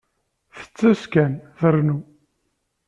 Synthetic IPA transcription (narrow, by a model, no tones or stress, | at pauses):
θə̥t͡sːæskænðəɾnu